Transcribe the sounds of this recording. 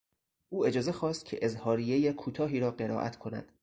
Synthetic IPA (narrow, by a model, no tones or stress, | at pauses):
ʔuːe̞d͡ʒɒːze̞xɒːst̪̚cʰḛʔezhɒːɾijejekʰuːt̪ʰɒːɦiːɾɒːɢe̞ɾɒ̰ːʔæ̰t̪ʰkʰo̞næ̰d̪̥